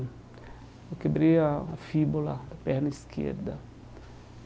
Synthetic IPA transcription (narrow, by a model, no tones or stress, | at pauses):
okebɾeaːfibolad̪ɐpɛɾnɐiskʰḛɾd̪ɐ